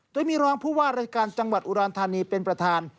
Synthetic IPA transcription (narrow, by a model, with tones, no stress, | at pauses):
d̪u˧˩əjmiː˧ɾɔː˦˥ŋpʰuː˥˩waː˥˩ɾaː˧jkaː˧nt͡ɕa˧ŋwa˨˩t̪̚ʔu˧ɾɔː˧nt̪ʰaː˧niː˧pe˧npɾa˧t̪ʰaː˧n